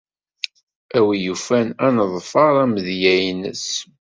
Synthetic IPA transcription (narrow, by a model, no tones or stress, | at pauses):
æwijufænænəðˤfɑɾˤæməðjæjnə̰s